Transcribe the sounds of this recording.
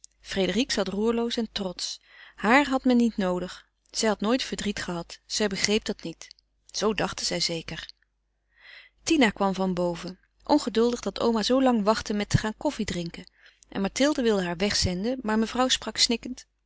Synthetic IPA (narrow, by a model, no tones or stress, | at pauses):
fredəriksɑtruːɹlowsɛntrɔts | haːɹɦɑtmɛnːitnowdəχ | z̥ɛjɦɑtnoːjtfəɹdritχəɦɑtsɛjbəχrejp̚dɑtnit | z̥owdɑχtəz̥ɛjzejkəɹ | tinakʋɑmvɑnbowvə | ʔɔnχədɵlˠdəχdɑto̰wmazowlɑŋʋɑχtəmɛtəχaːnkɔfidrɪŋkən | ʔɛ̰nmɑɹtɪlˠdəʋɪlˠdəɦaːɹʋɛχsɛndəmaːɹməvrɑwsprɑksnɪkənt